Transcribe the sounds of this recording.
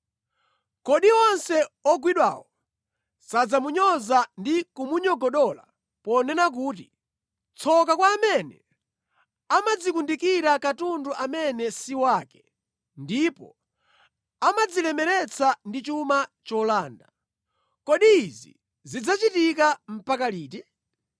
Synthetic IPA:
kɔɗiɔnsɛɔɡwiɗwa̰ːwɔ | sad͡zamuɲɔzandikumuɲɔɡɔɗɔla̰ | pɔnɛnak̬uːt̬ḭ | t͡sʰɔkakwaːmɛnɛ̰ | amad͡zikundikiɾakatunduʔamɛnɛsiwaːkɛ̥ | ndipɔ̰ | amad͡zilɛmɛɾɛt͡sʰandit͡ʃumat͡ʃɔlaːnda | kɔɗizḭ | zid͡zat͡ʃitikam̩pakaliːti

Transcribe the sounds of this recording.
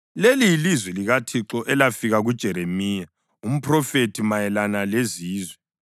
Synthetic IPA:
lelijilizwɛliɣatʰiǁɔʔɛlafiɣaɣud̥ʒ̥ʱɛɾemiːja | um̩pʰrɔfetʰimajɛlanaleziːzwɛ

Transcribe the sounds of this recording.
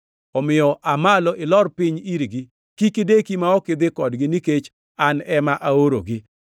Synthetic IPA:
ɔmɪɔʔamalɔʔɪlɔrpɪɲiɾɡɪ | kikɪdekimaɔkɪd̪ɪkɔdɡɪniket͡ʃ | anɛmaʔaoɾo̰ɡɪ

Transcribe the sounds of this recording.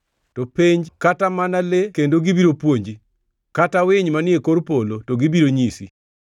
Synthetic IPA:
topeɲd͡ʒkatamanalekendoɡibiɾopwoɲd͡ʒi | katawɪɲmanɪekoɾpolotoɡibiɾoɲisḭ

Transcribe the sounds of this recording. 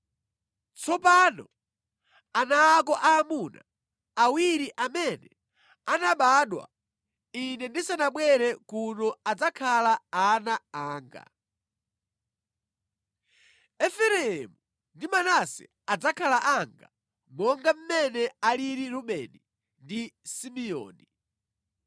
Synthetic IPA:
t͡sɔpanɔ̰ | anaːkɔʔaːmuna̰ | awiɾiʔamɛnɛ | anaɓaɗwa̰ | inɛndisanaɓwɛɾɛkunɔad͡zakʰalaanaaːŋɡa̰ | ɛfɛɾɛɛmu | ndimanasɛ̰ | ad͡zakʰalaʔaŋɡa̰ | mɔŋɡam̩mɛnɛaliɾiɾuɓɛ̰ni | ndisimiɔ̰ːni

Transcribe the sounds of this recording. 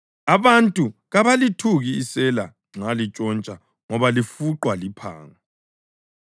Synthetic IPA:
aβantʼuɣaβalitʰuɣiːsɛla | ŋ͡ǁalit͡ʃʼɔnt͡ʃʼa | ŋɔβalifuǃwalipʰa̰ːŋa

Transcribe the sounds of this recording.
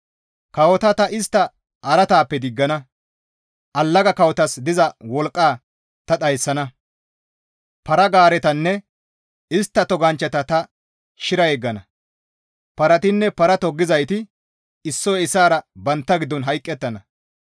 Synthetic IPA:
kɐwɔt̪ɐt̪ɐʔɪst̪ːɐ | ʔɐɾɐt̪aːpːɛd̪ɪɡːɐnɐ | ʔɐlːɐɡɐkɐwɔt̪ɐsd̪ɪzɐwɔlkʼːaː | t̪ɐɗ̪ɐjsːɐnɐ | pɐɾɐɡaːɾɛt̪ɐnːɛ | ɪst̪ːɐt̪ɔɡɐnt͡ʃːɐt̪ɐt̪ɐ | ʃɪɾɐɛɡːɐnɐ | pɐɾɐt̪ɪnːɛpɐɾɐt̪ɔɡːɪzɐjt̪ɪ | ɪsːɔjɪsːaːɾɐbɐnt̪ːɐɡɪd̪ːɔnɦɐjkʼːɛt̪ːɐnɐ

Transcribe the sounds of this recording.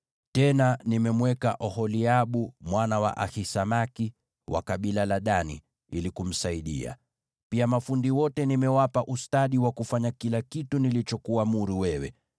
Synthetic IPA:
tɛnanimɛmwɛkaʔɔhɔliaɓumwanawa̰ʔahisamaki | wa̰kaɓilalaɗanḭ | ilikum̩saiɗḭa̰ | piamafundiwɔtɛnimɛwapaʔustaɗiwakufaɲakilakitunilit͡ʃɔkuamuɾiwɛwɛ̰

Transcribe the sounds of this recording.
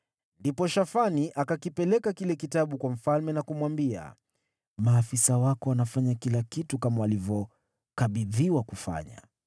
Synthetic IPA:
ndipɔʃafaniʔakakipɛlɛkakilɛkitaɓukwam̩falmɛnakumwambia̰ | maːfisawakɔanafaɲakilakitukamawalivjɔ | kaɓiðiwakufa̰ɲa̰

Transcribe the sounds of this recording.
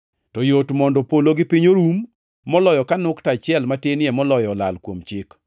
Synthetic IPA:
tɔjotmɔndɔpoloɡɪpiɲoɾumː | ɔlɔjɔkanʊktat͡ʃɪɛlmatenɪɛmɔlɔjɔla̰lkwomt͡ʃɪk

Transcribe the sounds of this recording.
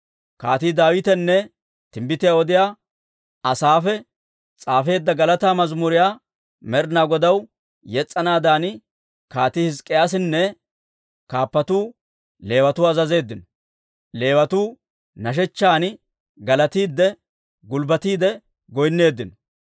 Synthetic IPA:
kaːt̪iːd̪aːwɪt̪ɛnːɛ | t̪ɪmbɪt̪ɪjaːwɔd̪ɪjaː | ɐsaːfɛ | t͡sʼaːfe̞ːd̪ːɐɡɐlɐt̪aːmɐzmʊɾɪjaː | mɛɾnaːɡɔd̪ɐw | jɛt͡sʼːɐnaːd̪aːn | kaːt̪ihɪskʼːɪjaːs̬ɪnːɛ | kaːpːɐt̪uː | le̞ːwɐt̪uːɐzɐze̞ːd̪ːɪnɔ | le̞ːwɐt̪uː | nɐʃ̬ɛt͡ʃːaːn | ɡɐlɐt̪iːd̪ːɛ | ɡʊlbɐt̪iːd̪ɛ | ɡɔjnːe̞ːd̪ːɪnɔ

